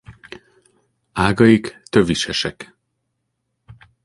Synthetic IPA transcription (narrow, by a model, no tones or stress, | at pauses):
aːɡɒjikt̪øviʃɛʃɛk